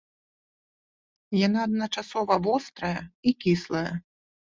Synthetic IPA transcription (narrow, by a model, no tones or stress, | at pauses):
janaːd̪̚nɐt͡ʂasɔvɐvɔst̪ɾɐjɐikʲislˠɐjɐ